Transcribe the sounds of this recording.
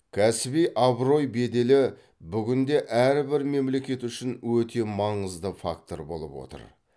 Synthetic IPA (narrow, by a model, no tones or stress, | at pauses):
kʲʰæsɪbijʔɑbɾo̞jbe̞d̪e̞lɪ | bʏɡʲɪnd̪e̞ʔæɾbɪɾme̞mle̞kʲe̞t̪ʏʃɪnwɵt̪ʰe̞mɑɴəzd̪əfa̰kt̪o̞̰ɾbo̞̰lˠə̰pwo̰t̪ə̰ɾ